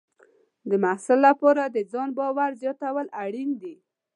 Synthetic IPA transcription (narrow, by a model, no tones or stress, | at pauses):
d̪əmahsɪlːapɑɾad̪əd͡zɑnbɑwaɾzjɑt̪awəlaɽind̪i